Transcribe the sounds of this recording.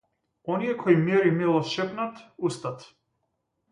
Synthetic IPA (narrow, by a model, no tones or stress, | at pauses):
ɔnijɛkʰɔimɛɾimɛlˠɔʃɛpnat̪ust̪at̪